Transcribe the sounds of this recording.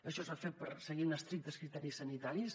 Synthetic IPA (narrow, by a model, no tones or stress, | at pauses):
əʃɔsafet̪̚pəɾsəɣinəst̪ɾik̚t̪əskɾit̪ɛɾisənit̪aɾis